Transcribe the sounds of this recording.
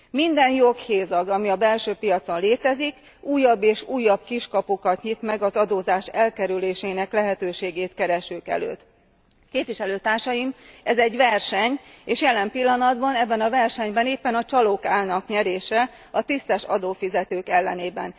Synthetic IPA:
mind̪ɛnjokheːzɒɡɒmiɒbɛlʃøːpijɒt̪so̞nleːt̪ɛzik | uːjːɒbːeːʃuːjːɒbkiʃkɒpukɒt̪ɲit̪mɛɡɒzɒd̪oːzaːʃɛlkɛɾyleːʃeːnɛklɛɦɛt̪øːʃeːɡeːt̪kɛɾɛʃykɛ̰lø̰ːt̪ | keːpʋiʃɛløːt̪aːrʃɒjimɛzɛɟʋɛrʃɛɲeːʃjɛlɛmpilːɒnɒd̪bɒnɛbːɛnɒvɛrʃɛɲbɛneːpːɛnɒt͡ʃɒloːkaːlnɒkɲɛɾeːʃɛ | ɒt̪ist̪ɛʃɒd̪oːfizɛt̪øːkɛlːɛneːbɛ̰n

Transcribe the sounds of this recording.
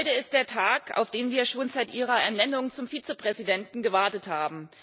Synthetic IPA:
ʏtəɪst̚d̥eːɐtʰaːka̰ʊfd̥eːnviːɐʃoːnzaɪtʔiːʁɐɛɐnɛnʊŋt͡sʊmfiːt͡səpʁ̥ɛzidɛntn̩ɡəvaɐtəthaːbm̩

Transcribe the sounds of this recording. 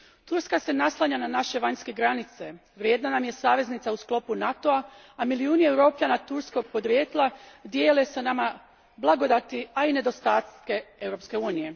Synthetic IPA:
t̪uɾskase̞naslˠaɲananaʃe̞ʋaɲske̞ɡɾanit̪se̞ | ʋɾjeːd̪nanamje̞saːʋe̞znit̪sausklo̞punat̪o̞a | amiliuːniewɾo̞ːpʎanat̪uɾsko̞ɡ̚po̞d̪ɾje̞ːt̪lˠad̪jeːle̞senama | blˠaɡo̞d̪at̪iaine̞d̪o̞st̪aːt̪ke̞e̞wɾo̞pske̞uːnije̞

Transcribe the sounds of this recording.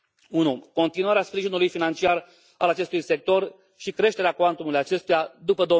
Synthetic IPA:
unuko̞nt̪inuaɾeaspɾiʒinulujfinant͡ʃiar | alat͡ʃe̞st̪ujse̞k̚t̪o̞r | ʃikɾe̞ʃt̪e̞ɾeakoant̪umulujat͡ʃe̞st̪ujad̪upəd̪o̞

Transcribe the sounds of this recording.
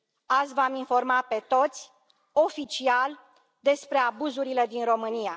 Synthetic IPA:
azvaminfo̞rmape̞t̪o̞t̪sʲ | o̞fit͡ʃial | d̪e̞spɾe̞abuzuɾile̞d̪inro̞mɨnia

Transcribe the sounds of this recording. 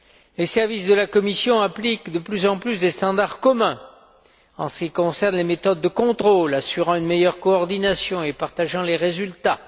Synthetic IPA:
lesɛʁvisd̪əlakɔmisjɔ̃ɛ̃plikd̪əplyzɑ̃plysd̪est̪ɑ̃d̪aʁkɔmɛ̃ | ɑ̃sə̥kʲikɔ̃sɛʁnlemet̪ɔd̪ːəkɔ̃t̪χolasyʁɑ̃ynmejœʁkɔɔʁd̪inasjɔ̃epaʁt̪aʒɑ̃leʁezylt̪a

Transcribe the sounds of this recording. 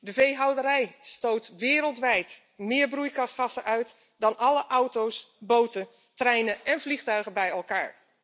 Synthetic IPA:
dəvejɦɑwdəɾɛjstowtʋɪːɾəlˠtʋɛjt | mɪːɹbrujkɑsχɑsəʔœɥt | dɑnɑləʔɔwtowsbowtə | trɛjnəʔɛnvliχtœɥɣəbɛjɛlˠkaːɹ

